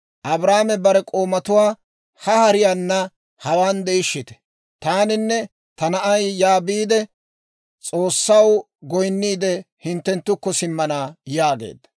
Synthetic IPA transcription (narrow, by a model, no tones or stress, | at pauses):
ʔɐbɾaːmɛbɐɾɛkʼo̞ːmɐt̪ʊwaː | hɐhɐɾɪjanːɐ | hɐwaːnd̪ɛɪʃːɪt̪ɛ̥ | t̪aːnɪnːɛ | t̪ɐnɐʔɐjːaːbiːd̪ɛ | t͡sʼo̞ːsːɐw | ɡɔjnːiːd̪ɛhɪnt̪ːɛnt̪ːʊkːɔsɪmːɐnaːjaːɡḛːd̪ːɐ̥